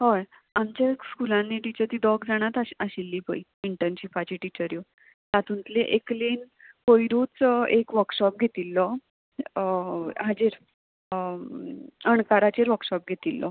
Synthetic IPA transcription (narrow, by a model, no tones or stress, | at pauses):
ɦɔj | amt͡ɕakskulãnːiʈit͡ɕəɾt̪iːd̪ɔɡd͡zaɽ̃at̪aəɕilːiːpəiiɳʈənɕifat͡ɕiʈit͡ɕəɾjo | t̪at̪unt̪leʔeklin | fojɾut͡sekʋəɾkɕɔp̚ɡʱet̪ilːɔ | ɦad͡ʑiɾ | əɳkaɾat͡ɕeɾʋəɾkɕɔp̚ɡʱet̪ilːɔ̰